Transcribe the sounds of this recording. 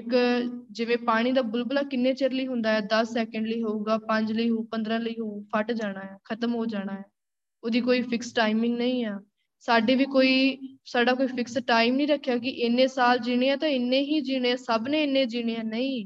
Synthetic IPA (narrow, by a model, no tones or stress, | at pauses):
ɪkd͡ʒɪʋẽːpaːɽ̃iːd̪aːbʊlbəlaːkɪnːẽːt͡ʃeɾləiːɦʊnd̪aːɦɛːd̪əsːɛːkəɳɖləiːɦoːuːɡaːpəɲd͡ʒləiːɦoːpənd̪ɾãːləiːɦoːpʰəʈd͡ʒaːɽ̃aːɛːkʰət̪əmɦoːd͡ʒaːɽ̃aːɦɛː | oːd̪iːkoːiːpʰɪksʈaːɪmɪ̃ŋɡnəĩːaː | saːɖeːʋiːkoːiːsaːɖaːkoːiːpʰɪksʈaːɪmnĩːɾəkʰːejaːkɪʔɪnːẽːsaːld͡ʒiːɽ̃eãːt̪ãːɪnːẽːɦiːd͡ʒiːɽeːsəbnẽːɪnːẽːd͡ʒiːɽ̃eːãːnəĩː